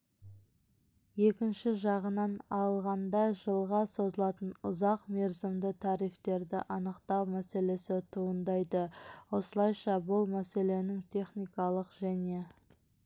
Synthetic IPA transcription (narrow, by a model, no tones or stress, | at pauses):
je̞kʲɪnʃɪʒɑʁənɑnɑlˠʁɑnd̪ɑʒəlˠʁɑso̞zəlˠɑt̪ənʊzɑqme̞ɾzɪmd̪ɪt̪ʰɑɾijft̪e̞ɾd̪ɪ̰ʔɑnəqt̪ɑwmæse̞le̞sɪt̪ʰuənd̪ɑjd̪əwo̞səlˠɑjʃɑbʊlˠmæse̞le̞nɪŋt̪ʲʰe̞χnijkɑlˠəqʒ̥æne̞